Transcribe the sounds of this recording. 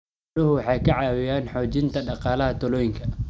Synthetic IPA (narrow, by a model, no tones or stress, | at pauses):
ʊɦʊwɑħɑːjkʰɐʕɑːwɪjaːnħɔːt͡ʃɪnt̪ʰɐɖɑqɑːlɐɦɐt̪ʰɔlɔːjɪŋkʰɐ